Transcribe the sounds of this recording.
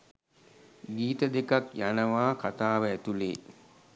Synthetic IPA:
ɡiːt̪əd̪ekakjanəʋaːkat̪aːʋəæt̪ulḛː

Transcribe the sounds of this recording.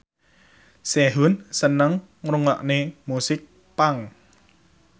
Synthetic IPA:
seɦunsənəŋ | rʊŋla̰ʔnemusɪk̚ | paŋ

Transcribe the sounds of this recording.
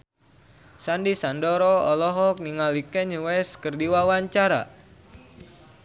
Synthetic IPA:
sandisandoɾɔɔlɔɦɔk̚niŋalikɛɲəwɛskərdiwawaɲt͡ʃaɾa̰

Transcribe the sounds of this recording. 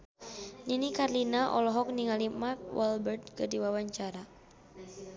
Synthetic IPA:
ɲinikarlinaʔɔ̰lɔɦɔk̚niŋalimark̚wʔɔlbɛrt̪̚kədiwawaɲt͡ʃaɾa

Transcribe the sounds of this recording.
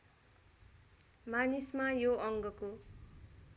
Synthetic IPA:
manismajoʔʌŋɡʌko

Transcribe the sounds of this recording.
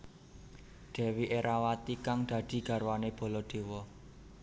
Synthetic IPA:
ɖ̪̥e̤wiʔeɾawat̪ikaŋd̪̥ä̤d̪̥i̤ɡ̥ä̤rwaneb̥ɔ̤lɔd̪̥e̤wɔ

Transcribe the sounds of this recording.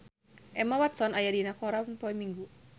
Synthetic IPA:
ʔɛmawat̪sɔnajadinakɔɾanpɔɛmiŋɡu

